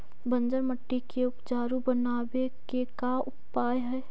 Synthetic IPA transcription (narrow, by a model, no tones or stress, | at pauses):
bɐ̃nd͡ʒəɾmɐʈːikeʊpd͡ʒaːɾũbɐnaːwe | kekaʊpːaːjɦɛː